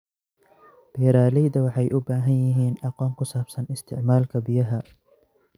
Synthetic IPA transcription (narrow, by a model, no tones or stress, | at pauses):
b̥ɛːɾaːlɛjðɐwɑħɑjʔʊbaːɦɐnjɪɦiːnɑqɔːŋkʰʊsaːbsɐnɪst̪ʰɪʕmaːlkʰɐbɪjɐɦɐ